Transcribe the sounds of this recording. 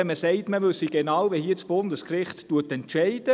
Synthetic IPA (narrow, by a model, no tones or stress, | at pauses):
məsɛɪtməʋʏsiɡ̥enɑːwʋihiːt͡sb̥ʊnd̪əskrɪχtːuətɛntʃɛɪd̥ə